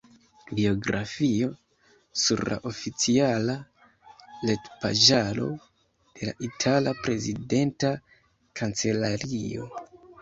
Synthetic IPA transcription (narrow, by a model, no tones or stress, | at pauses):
bio̞ɡɾʔa̰fio̞ | suɾla̰ʔo̞fit͡siala | le̞tpaʒalo̞̰ | d̥e̞la̰ʔitʰalapɾe̞zide̞nta | kʰant͡se̞laɾio̞̰